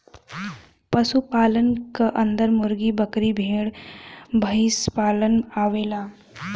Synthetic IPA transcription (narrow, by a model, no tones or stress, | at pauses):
pəsupaːlənkaʔə̃nd̪əɾmʊɾɡibəkɾibʱeːɽbʱəɪspaːlənaːʋeːlaː